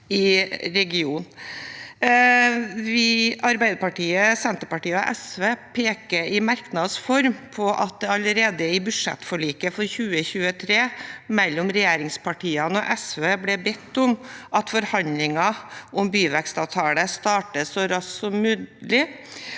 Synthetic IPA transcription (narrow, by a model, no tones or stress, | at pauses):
ɪɾɛɡɪuːn | ʋɪɑɾbæɪd̪əpɑʈiːəsɛnt̪əɾpɑʈiːəɔ̰ʔɛsʋeːpʰeːkəɪmɑɾknɑd̪sfɔɾmpʰɔʔɑ̰t̪̚d̪ɛɑləɾeːd̪əɪbʉʂɛ̰t̪ːfɔɭiːkəfɔɾçʉːəçʉːət̪ʰɾeːmɛlːɔmɾɛjeːɾɪŋspʰɑʈʰiːɑnəɔʔɛsʋeːblɛbɛt̪ːʊmʔɑt̪fɔɾhɑnd̪lɪŋɑʔɔmbyːʋækst̪ɑːʋt̪ʰɑːləst̪ɑːʈəsɔɾɑssɔmːʉːlɪ